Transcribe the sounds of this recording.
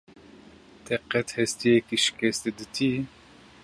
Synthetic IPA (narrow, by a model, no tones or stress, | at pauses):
t̪ʰɛqɛt̪hɛst̪ijɛkiʃi̥kʲɛst̪ɨd̪ɨt̪ʰi